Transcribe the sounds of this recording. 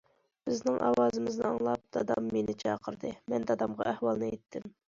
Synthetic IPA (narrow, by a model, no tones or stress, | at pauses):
b̥ɪznɪŋʔɑ̰wɑːzɨmɪznɨɑŋlˠɑp̚d̪̥ɑd̪ɑmːenɪt͡ʃʰɑqʰəɾd̪ɨmɛnd̪ɑd̪ɑmʁɑʔæhwɑlˠnɨet̪ʰːɪm